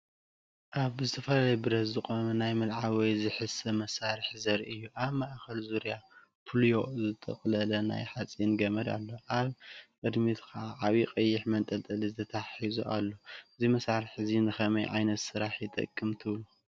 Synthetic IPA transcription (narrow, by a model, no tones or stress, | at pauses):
ʔaβɨzɨt̪ʰɐfɐlalɐjbɨɾɐt̪zɨkʼomɐnajmɨlʕawɔjzɨħɨsɐmɐsaɾɨħzɐɾʔɨjːuʔaβmaʔkɐlzuɾja | pʰɨljo̞zɨt̪ʼɐ̰χʼlɐlɐna̰jħat͡sʼinɡɐmɐd̪a̰lːo̞ʔaβʔɨd̪mit̪kʰɐʔaʔaβiqʼɐjːɪħmɐnt̪ʼɐlt̪ʼɐlizɨt̪ʰɐt̪ʰaħizuʔa̰lːo̞ɨzimɐsaɾɨħɨzinɨxɐmɐjʕa̰jnɐt̪sɨɾaħjɪt̪ʼɐ̰kʼːɨmt̪ʰɨβlu